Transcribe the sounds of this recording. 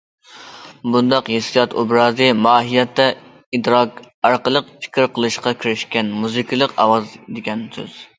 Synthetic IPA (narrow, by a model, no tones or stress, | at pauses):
bund̪ɑqjesɨjɑt̪ṵbɾɑːzɨmɑːɦijɛt̪ːɛ | id̪ɾɑk | ɑɾqəlˠəqpʰi̥kʲiɾqʰəlˠɨʃqɑkʲiɾɪʃkʲɛnmuzɨkʲʰilˠəqɑ̰wɑzd̪ɪɡʲɛnsø̰z̥